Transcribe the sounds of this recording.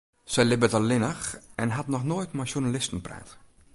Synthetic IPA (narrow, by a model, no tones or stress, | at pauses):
sɛjlɪbətalːɪnəxɛnɦatnɔxnoːjtmaʃjunalɪstən̩prɛ̰ːt